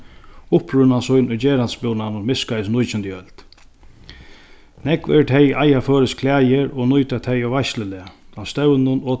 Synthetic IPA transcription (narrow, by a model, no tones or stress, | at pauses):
ʊpɾʏnasʊjnʊjt͡ɕeːɾanspɪwnanʊmɪskajs̬nʊjt͡ʃɪnt̪jœlt̪ | nɛkvɛ̰ɾt̪ʰɛjʔajaføːɾɪskʰlæːjɪɾɔnʊjt̪at̪ʰɛjɔvajʃlɪlɛast̪ɛwnʊnɔ